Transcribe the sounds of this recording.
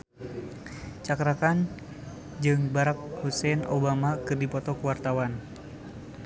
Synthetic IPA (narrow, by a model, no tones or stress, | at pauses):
t͡ʃakɾakan | d͡ʒɨŋbaɾak̚husɛnobamakɨrdipɔt̪ɔkəwart̪awan